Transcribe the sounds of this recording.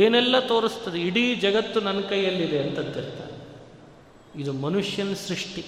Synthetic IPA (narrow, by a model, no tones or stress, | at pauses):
eːnɛlːɐt̪o̞ːɾist̪ːɐd̪eiɽid͡ʒɐɡɐt̪ːunɐnɐkɐjːɐlːid̪e̞ɐnt̪ɐnt̪ːiɾt̪a̰ːɾe | id̪umɐnuʂjɐnɐsɾiʂʈi